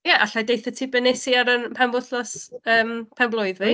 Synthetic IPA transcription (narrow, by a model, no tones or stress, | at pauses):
jɛʔaɬadejθɔtʰibɛnɛsiaɾənpʰɛnvʊθlɔsəːmpʰɛnblˠʊɨðvi